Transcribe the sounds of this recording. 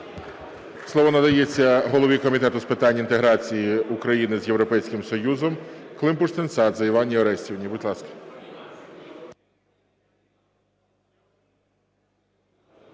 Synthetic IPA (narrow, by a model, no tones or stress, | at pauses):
slˠɔʋɔnɐd̪ɐjet͡sʲːɐɦɔlˠɔʋʲikɔmʲit̪ɛt̪ʊspɪt̪ɑnʲːɐint̪eɦɾɑt͡sʲijiʊkɾɐjinɪzjewɾɔpɛjsʲkɪmsɔjuzɔmklˠɪmpʊʃt̪ɪnsɑd̪zɐjʋɑnʲːiɐɾɛsʲtʲiwnʲibʊdʲlˠɑskɐ̥